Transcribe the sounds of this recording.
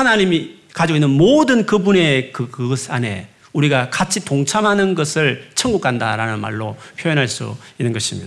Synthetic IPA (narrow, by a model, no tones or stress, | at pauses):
hanaɲimi | kad͡ʑiɡoinːɯnmodɯnkɯbune̞kɯkɯsʰa̰ne̞̰ | uɾiɡakat͡ɕʰitoŋt͡ɕʰamɦanɯnɡʌsʰɯɭt͡ɕʰʌŋɡukʰanda̰ɾanɯnma̰ɭːopʰjojʌnɦaɭs͈ṵinːɯnɡʌɕʰimḭda